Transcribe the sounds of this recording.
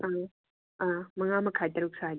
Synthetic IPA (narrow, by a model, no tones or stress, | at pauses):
a | amɐŋamɐkʰajtɐɾuk̚saj